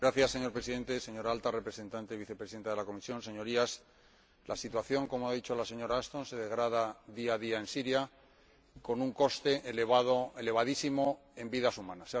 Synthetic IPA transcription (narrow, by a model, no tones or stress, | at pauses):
ɡɾaθjasːe̞ɲo̞ɾpɾe̞siðe̞nt̪ese̞ɲo̞ɾaalt̪are̞pɾese̞nt̪ant̪eβiθepɾesiðe̞nt̪aðelako̞misjõ̞nse̞ɲo̞ɾias | lʔasit̪waθjo̞ŋko̞moaðit͡ʃo̞lase̞ɲo̞ɾaːst̪o̞nse̞ð̞e̞ɣɾaðaðiaðiae̞nsiɾja | ko̞nuŋko̞st̪e̞ʔːleβaðoele̞βaðisimo | e̞mbiðasumãnas